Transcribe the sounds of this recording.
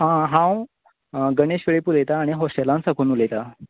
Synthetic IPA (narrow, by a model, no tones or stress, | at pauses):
ɦãɦãw | ɡəɽeɕʋeɭepulejt̪aːɽ̃iɦɔsʈelãnsakʰuːnulejt̪a